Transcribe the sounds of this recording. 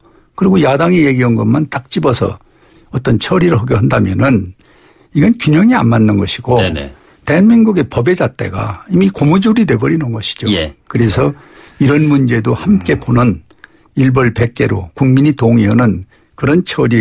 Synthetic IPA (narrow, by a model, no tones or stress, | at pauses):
kɯɾiɡojadaŋijeɡiʌnɡʌmantak̚t͡ɕ͈ibʌsʰʌ̰ | ʌt͈ʌnt͡ɕʰʌɾiɾɯɭhʌɡeɦɯndamjʌnɯn | iɡʌnkjuɲʌŋia̰mmanːɯnɡʌɕʰiɡo̰ | te̞ɦanmiŋɡuɡe̞pʌbe̞d͡ʑat͈e̞ɡa̰imikomud͡ʑuɾide̞bʌɾinɯnɡʌɕʰi̥d͡ʑokɯɾe̞sʰʌ | iɾʌnmund͡ʑe̞dohamk͈e̞ponɯn | iɭbʌɭpe̞k̚k͈e̞ɾo̰kuŋmiɲitoŋiʌnɯn | kɯɾʌnt͡ɕʰʌɾi